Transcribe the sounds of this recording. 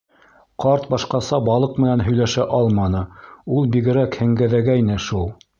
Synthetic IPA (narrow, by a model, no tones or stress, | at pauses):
qɑɾt̪bɑʃqɑsɑbɑlˠɤqmɘ̆nænɦɵ̆jlæʃæʔɑlˠmɑnɤulˠbiɡɘ̆ɾækhɘ̆ŋɡæðæɡæjnɘʃulˠ